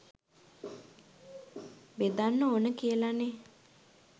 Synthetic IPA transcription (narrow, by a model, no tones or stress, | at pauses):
bed̪anːəonəkiəlane